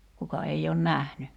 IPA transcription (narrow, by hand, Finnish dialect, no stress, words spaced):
kukɑ ei oːn næhny